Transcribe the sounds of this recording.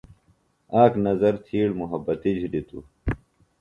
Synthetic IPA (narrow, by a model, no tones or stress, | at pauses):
aːknɐzɐɾt̪ʰiːɽmuɦɐbɐt̪id͡ʑʱlit̪ṵ